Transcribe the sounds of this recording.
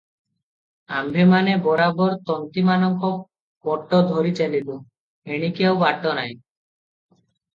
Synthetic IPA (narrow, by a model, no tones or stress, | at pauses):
ambʱemanebɔɾabɔɾt̪ɔnt̪imanɔŋkɔ | kɔʈːɔd̪ʱoɾit͡ʃelilo | eɽ̃ikiawbaʈːɔnaj